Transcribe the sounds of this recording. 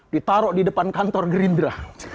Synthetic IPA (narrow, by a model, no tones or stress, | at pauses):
dit̪aɾɔʔdidəpankant̪ɔrɡəɾindɾa